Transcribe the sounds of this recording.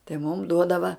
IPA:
tɐɪ mʊm ˈduɔdɐʋɐ

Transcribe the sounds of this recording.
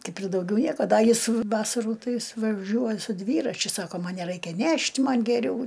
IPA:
ˈkɐɪp ɪr dɐʊˈɡʲɛʊ ˈnʲiɛkoː ˈdɐ ˈjɪs ˈʋɑːsɐruː ˈtɐɪ ˈjɪs ʋɐˈʒʲuɔj sʊ ˈdʲʋʲiːrɐt͡ʃʲʊ ˈsɑːkoː ˈmɐn nʲɛˈrɐɪkʲɛ ˈnʲɛʃʲtʲ ˈmɐnʲ ɡʲɛˈrʲɛʊ

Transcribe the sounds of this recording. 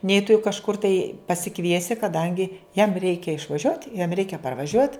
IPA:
nʲɛɪ tʊ jʊ kɐʃˈkʊr tɐɪ pɐsʲɪˈkʋʲiɛsʲɪ kɐˈdɐŋʲɡʲɪ jɛm ˈrʲɛɪkʲɛ ɪʃʋɐˈʒʲuɔtʲ jɛm ˈrʲɛɪkʲɛ pɐrʋɐˈʒʲuɔtʲ

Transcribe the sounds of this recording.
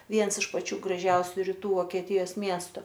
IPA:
ˈʋʲiɛns ɪʃ pɐˈt͡ʃʲuː ɡrɐˈʒʲɛʊsʲʊ rʲiːˈtuː ʋoːkʲiɛˈtʲɪjoːs ˈmʲiɛstʊ

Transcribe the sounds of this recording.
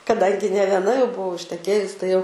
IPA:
kɐˈdɐŋʲɡʲɪ nʲɛ ʋʲiɛˈnɐ jɛʊ bʊˈʋɐʊ ɪʃʲtʲɛˈkʲeːjʊs tɐɪ jɛʊ

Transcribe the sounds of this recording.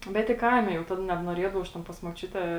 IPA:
ˈbʲɛt ɪ ˈkɐɪmʲɛ jɛʊ ˈtɐt nʲɛbnuɔˈrʲiɛdɐʋɐʊ ɐʃ ˈtʲɛn pɐs muɔˈt͡ʃʲʊtʲɛ

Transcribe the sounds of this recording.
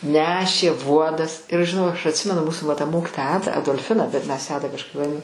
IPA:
ˈnʲæːʃʲeː ˈʋuɔdɐs ɪr ɐʃ ʒʲɪˈnɐʊ ɐʃ ɐtʲˈsʲɪmʲɛnʊ ˈmuːsʊ ʋɐ tɐ ˈmoːkʲɪtoːjɛ ˈɑːdɐ ɐdoːlʲˈfʲɪnɐ bʲɛt mʲɛs jæː ˈɑːdɐ kɐʃˈkɐɪp ʋɐˈdʲɪ

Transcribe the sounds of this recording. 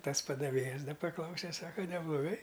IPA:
ˈtɐs pɐdɐˈʋʲeːjɛs ˈdɐ pɐˈklˠɐʊsʲɛ ˈsɑːkɐ nʲɛblˠoːˈɡɐɪ

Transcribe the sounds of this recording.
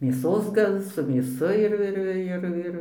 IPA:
mʲeːˈsoːs ˈɡɐlˠ sʊ mʲeːˈsʊ ɪr ɪr ˈɪr ˈɪr

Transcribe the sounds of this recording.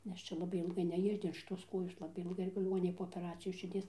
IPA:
nʲɛs ˈt͡ʃʲɛ lˠɐˈbɐɪ ɪlˠˈɡɐɪ nʲɛˈjʊdʲɪn ʃʲɪˈtoːs ˈkoːjoːs ˈlˠɑːbɐɪ ɪlˠˈɡɐɪ lʲɪˈɡoːnʲɪnʲeːj poː oːpʲɛˈrɑːt͡sʲɪjoːs ʃʲɪrʲˈdʲiɛs

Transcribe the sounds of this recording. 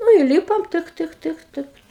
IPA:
nʊ iːˈlʲiːpoːm ˈtɨk ˈtɨk ˈtɨk ˈtɨk

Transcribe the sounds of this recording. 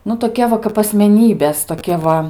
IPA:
nʊ toːˈkʲɛ ʋɐ kɐp ɐsʲmʲɛˈnʲiːbʲeːs toːˈkʲɛ ʋɐ

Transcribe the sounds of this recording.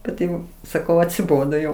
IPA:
ˈkɐt jɛʊ sɐˈkɐʊ ɐtʲsʲɪˈboːdoː jɛʊ

